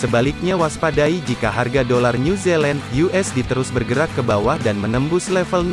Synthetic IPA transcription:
səbalɪk̚ɲawaspadaid͡ʒikaɦarɡadolarnuzɛland̪juʔɛsdit̪əɾʊsbərɡəɾakːəbawahdanmənəmbʊslɛfəln

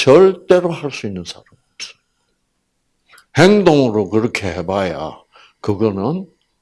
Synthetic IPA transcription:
t͡ɕʌɭt͈e̞ɾohaɭs͈uinːɯnsʰaɾamiʌp̚s͈ʌ̥ | heŋdoŋɯɾokɯɾʌkʰe̞hebaja̰ | kɯɡʌnɯn

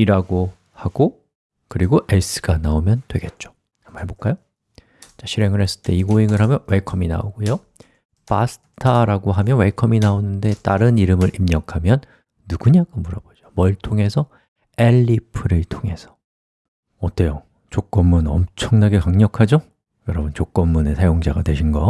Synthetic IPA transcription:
iɾaɡo | haɡo | kɯɾiɡoʔes͈ʰɯ̥ɡanaomjʌndwe̞ɡe̞t̚t͡ɕ͈o̥ | amaebok͈ajo | t͡ɕaɕʰiɾe̞ŋɯɭhe̞s͈ɯɭt͈e̞iɡoiŋɯɭɦamjʌnwe̞kʰʌmina̰oɡojo | pasʰɯ̥tʰaɾaɡoɦamjʌnwe̞kʰʌminaonɯnde̞t͈aɾɯniɾɯmɯɾʔimɲʌkʰamjʌnː | uɡuɲakamuɾʌbod͡ʑomʌiɭtʰoŋe̞sʰʌ | e̞ʎːipʰɯɾɯɭtʰoŋe̞sʰʌ̥ | ʌt͈ejo | t͡ɕok͈ʌmːunʌmt͡ɕʰʌŋnaɡe̞kaŋɲʌkʰad͡ʑo | jʌɾʌbunt͡ɕok͈ʌmːune̞sʰajoŋd͡ʑaɡatwe̞ɕʰinɡʌ

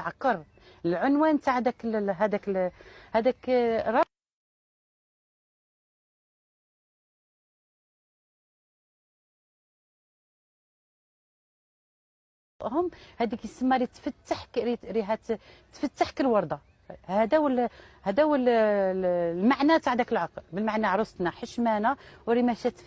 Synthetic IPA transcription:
ʕɑqːɑɾˤ | lʕʊnwænt̪aʕd̪ækəlɦæd̪ækhæd̪ækɾˤɑ | ʔhʊmhæd̪iksəmːæɾit̪ːfət̪ːaħkɾiɾiɦæt̪t̪ːfət̪ːaħkəlwɑɾˤd̪ˤɑ | hæd̪æwəlhæd̪æwəl | lmaʕnæt̪aʕd̪ækəlʕɑqlbəlmaʕnæʕɾˤosˤt̪næħəʃmænæwɾimæʃæt̪

